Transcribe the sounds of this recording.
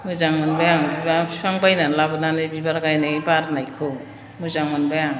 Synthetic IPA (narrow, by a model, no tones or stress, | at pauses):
muzaŋmɯnbajaŋbibasaŋbajnalabɯnanɯbibaɾɡajnabaɾnajkʰɯ | muzaŋmɯnbajaŋ